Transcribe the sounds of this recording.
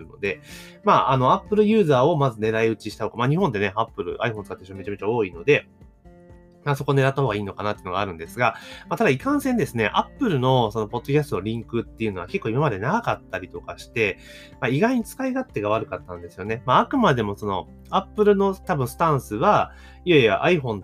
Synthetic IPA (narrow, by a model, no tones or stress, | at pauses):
ɯno̞̰d̪e̞ | maʔano̞apːɯ̟ɾɯ̟jɯ̟ːzaːo̞mazɨne̞ɾaiɯ̟t͡ɕiɕi̥t̪ahoɡamaɲ̟ihõnd̪e̞ne̞apːɯ̟ɾɯ̟̰ʔa̰iɸõsɨ̥kat̪ːaɕiame̞t͡ɕame̞t͡ɕao̞ːino̞d̪e̞ | maso̞ko̞ne̞ɾat̪ːaho̞ːɡaiːno̞kanat̪ejɯ̟noɡaɾɯ̟̃nd̪e̞sɨɡamat̪ad̪aikãɰ̃sẽnd̪e̞sɨne̞̰ʔapːɯ̟ɾɯ̟no̞so̞no̞po̞d̪̥ːo̞kʲasɨ̥t̪onoɾʲĩŋkɯ̟t̪ːe̞jɯ̟no̞βa̰ke̞kːo̞ːimamad̪e̞naɡakat̪ːaɾʲit̪o̞kaɕi̥t̪e̞ | maiɡaiɲ̟it͡sɨ̥kaiɡat̪ːe̞ɡaβ̞aɾɯ̟kat̪ːãnd̪e̞sɨjo̞ne̞maakɯ̟mad̪e̞mo̞so̞no̞̰ | apːɯ̟ɾɯ̟no̞t̪abɯ̟̃sɨ̥t̪ãɰ̃sɨβa | iaiβa̰ʔaiɸõ̞n